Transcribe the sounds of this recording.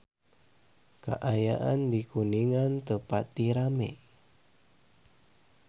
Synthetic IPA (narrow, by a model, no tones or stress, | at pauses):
ka̰ʔajaʔandikuniŋant̪əpat̪ːiɾamḛ